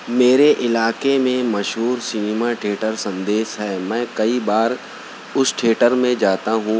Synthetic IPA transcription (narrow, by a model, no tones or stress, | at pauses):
meːɾeʔɪlaːkemẽmɐʃɦuːɾsinɪmaʈʰeːʈəɾsɐ̃nd̪eːsɦɛːmɛ̃ːkɐibaːɾ | ʊsʈʰeːʈəɾmẽd͡ʒaːt̪aɦũː